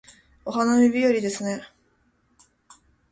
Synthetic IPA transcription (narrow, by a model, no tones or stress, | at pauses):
o̞ɦano̞mʲibʲijoɾʲid̪e̞sɨne̞